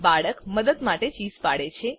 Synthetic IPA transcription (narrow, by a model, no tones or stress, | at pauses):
baɭəkməd̪əd̪maʈet͡ʃizpaɽet͡ʃʰe